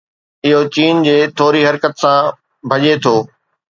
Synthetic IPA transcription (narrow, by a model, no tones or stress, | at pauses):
ɪɦot͡ɕiːnd͡ʑeːt̪ʰoːɾiɦɐɾkət̪sã | bʱɐʄet̪ʰoː